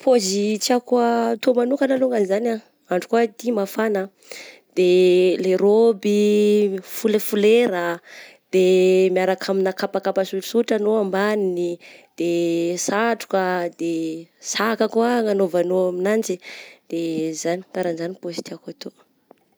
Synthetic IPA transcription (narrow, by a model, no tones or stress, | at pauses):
pʰozit̪iakwat̪omanukanaloŋɡanzana | aɳɖ͡ʐu̥kuət̪imafanə | d̪̥eleɾobi | fulefuleɾə | d̪̥emijaɾakʰaminakapakapasuʈ͡ʂi̥suʈ͡ʂanoambaninid̪̥esaʈ͡ʂu̥kəd̪esakakuaŋanovanoaminant͡sid̪̥ezani̥kaɾanzanipozi̥t̪iakat̪o